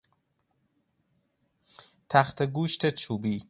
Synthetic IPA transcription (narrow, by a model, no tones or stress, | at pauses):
t̪ʰæxt̪ʰeɡuːʃt̪ʰet͡ʃʰuːbiː